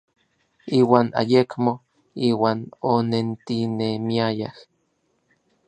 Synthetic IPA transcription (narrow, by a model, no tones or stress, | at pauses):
iːwaːna̰jekmo | iːwaːnonent̪inemiajah